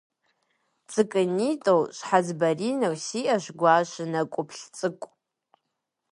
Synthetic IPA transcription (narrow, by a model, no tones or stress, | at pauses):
t͡sʼɨkʼɨnitʼowʃʷħazbarinowsiʔaʃʷɡʷaʃʷɨnakʷʼʊpʰɬt͡sʼɨkʷʼ